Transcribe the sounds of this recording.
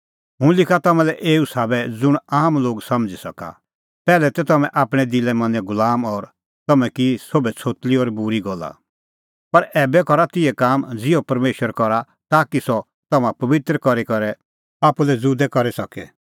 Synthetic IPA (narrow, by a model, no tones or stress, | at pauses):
ɦʊ̃lɪkʰat̪ɐmãlɛʔeːusaːbɛd͡zʊɽ̃aːmloːɡsɐmd͡zisɐka̰ | pɛːlɛt̪ɛt̪ɐmɛ̃ʔaːpɽ̃ɛd̪ɪlɛmɐ̃nɛ̃ɡʊlaːmɔːɾ | t̪ɐmɛ̃kisobɛt͡sʰoːt̪liɔːɾbuɾiɡɔla̰ | pɐɾɛːbɛkɔɾat̪ɪɛkaːmd͡zɪɔpɐɾmeːʃwəɾkɔɾa | t̪aːkisɔ | t̪ɐmãpɐʋɪt̪ɾəkɔɾikɔɾɛ | aːpulɛd͡zuːd̪ɛkɔɾɛsɐkɛ̰